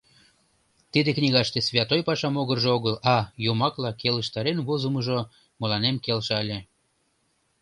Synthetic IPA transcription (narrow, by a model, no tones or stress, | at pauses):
t̪id̪eknʲiɣɑʃt̪esvʲɑt̪ojpɑʃɑmoɣərʒeoɣəlɑjomɑklɑkeləʃt̪ɑɾenβozəməʒo | molɑnemkelʃɑlʲe